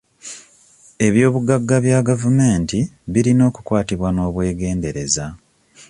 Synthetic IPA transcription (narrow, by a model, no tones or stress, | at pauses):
e̞βjo̞ːβuɡːaɡːaβjaɡavume̞ːntiβiɾino̞ːku̥kwaːtiβwano̞ːβwe̞ːɡe̞ːnde̞ɾe̞za